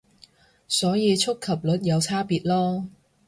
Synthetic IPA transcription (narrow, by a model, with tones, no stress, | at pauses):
sɔː˨˥jiː˨˧t͡sʰʊ˥kʰːɐ˨˩p̚lɵ˨˥t̚jɐ˨˧wt͡sʰaː˥piː˨˧t̚lɔː˥